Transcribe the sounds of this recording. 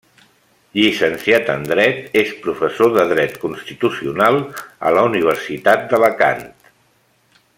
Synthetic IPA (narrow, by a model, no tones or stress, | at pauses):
ʎisənsiat̪ə̰nd̪ɾɛt̪espɾufəsoðəðɾɛt̪kunst̪it̪usiunalˠə̰ləuniβ̞əɾsit̪at̪̚d̪ələka̰nt̪